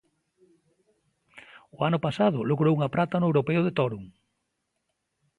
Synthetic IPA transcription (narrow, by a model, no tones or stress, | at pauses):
ʊanʊpasað̞ʊloɣɾowuŋapɾat̪anʊewɾopeʊðet̪ɔɾuŋ